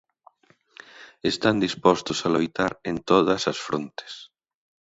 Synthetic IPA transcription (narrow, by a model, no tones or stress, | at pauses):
est̪and̪ispɔst̪osalojt̪aɾent̪oðɐsɐsfɾont̪e̥s